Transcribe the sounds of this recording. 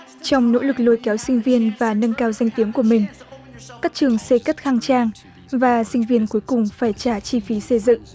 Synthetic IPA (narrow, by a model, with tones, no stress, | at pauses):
t͡ɕɔ˧wŋ͡mno̰˧˥lɨ˨˩k̚lo˧˩jkɛ˨˦wsï˧ŋ̟vi˧ənvaː˨˩nə˧nkaː˧wza˧jŋ̟t̪i˨˦əŋku˧˩əmï˨˩ŋ̟kaː˦˥k̚t͡ɕɨ˨˩əŋse˧kə˦˥t̚xaː˧ŋt͡ɕaː˧ŋ | vaː˨˩sï˧ŋ̟vi˧ənku˨˦əjkʊ˨˩ŋ͡mfaː˧˩jt͡ɕaː˧˩t͡ɕi˧fi˨˦sə˧jzɨ̰˧˨ŋ